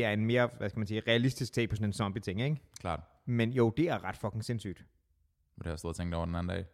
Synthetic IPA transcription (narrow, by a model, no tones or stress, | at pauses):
eæɐe̝nme̝ːɐʋæskæmænsiːʁɛælisd̥isɡ̥t͡sʰḛ̥ːɒ̽sɔnen̩sɒ̽mb̥it͡sʰe̝ŋeɡ̥kʰlɑ̈ːd̥ | menjo̝ʊd̥e̝æɐʁɑ̈d̥fɒ̽kʰe̝ŋse̝nsy̰ːd̥ | ɒd̥ehsð̩ˠt͡sʰeŋd̥ɒʊ̰ɐd̥enæn̩dɛ̰ːɪ